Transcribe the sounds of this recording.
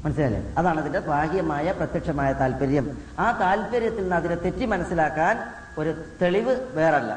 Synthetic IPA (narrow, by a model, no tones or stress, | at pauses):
mɐnɐs̬ilalːḛːɐðaːɳɐðindebʱaːɦijɐmaːjɐprɐt̪jɐkʂɐmaːjɐt̪aːlpɐɾjɐm | aːt̪aːlpɐɾjɐt̪ːilnɐðinet̪e̞tːimɐnɐsːilaːkːaːn | o̞ɾut̪e̞ɭiʋɨʋe̞ːrɐlːɐ̰